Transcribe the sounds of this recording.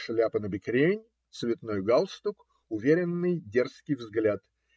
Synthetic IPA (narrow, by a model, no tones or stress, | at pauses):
ʂlʲapənəbʲɪkɾʲenʲ | t̪svʲɪt̪nojɡalˠst̪uk | ʊvʲeɾʲɪnːɨjdʲerskʲɪjvzɡlʲat̪